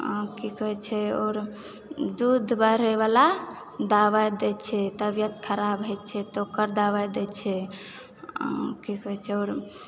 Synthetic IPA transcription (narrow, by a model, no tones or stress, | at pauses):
kikəɦɛt͡ʃʰɛo̰ːɾ | d̪ud̪ʱbaɾɛβala | d̪aβad̪ɛt͡ʃʰɛt̪əbjət̪kʰəɾabɦɛt͡ʃʰɛt̪ɔokəɾd̪aβad̪ɛt͡ʃʰɛ | kikəɦɛt͡ʃʰɛoɾ